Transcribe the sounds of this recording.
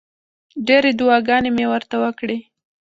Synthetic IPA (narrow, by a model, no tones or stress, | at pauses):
ɖeɾed̪ʊwɑɡɑnemewəɾt̪awəkɽe